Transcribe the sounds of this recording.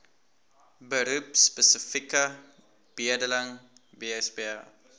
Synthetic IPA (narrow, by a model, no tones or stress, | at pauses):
bəɾupspəsifikɐ | b̥iədəlaŋ | beɛsbea